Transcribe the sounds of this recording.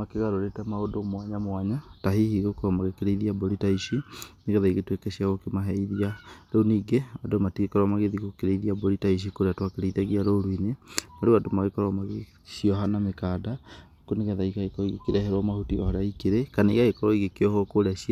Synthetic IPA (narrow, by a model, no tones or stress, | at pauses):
makeɣaɾoɾetɛmaodomwaɲamwaɲataɦihiɣokoɾɔmaɣekeɾeiðiaboɾitaiʃineɣɛðaiɣetwekɛɕiaɣokemaɦɛiðiaɾouniːɡeadomatiɣekɔɾwamaɣeðiɣokeɾeiðiaboɾitaiʃ̬ikoɾeatwakeɾeiðaɣiaɾoɾwinemaɾuadomaɣekɔɾwamaɣe | siɔɦanamekada | kuneɣɛðaiɣaekɔɔiɣekeɾɛɦɛɾwamahutiɔhɔɾaikeɾekanaḭɣaekɔɾɔiɣekeɔhɔkoɾeaʃi